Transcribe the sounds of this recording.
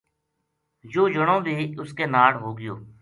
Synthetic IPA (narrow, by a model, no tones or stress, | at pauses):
d͡ʒoːd͡ʒəɽõːbʱiːʊskeːnaːɽɦoːɡɪjo̰ː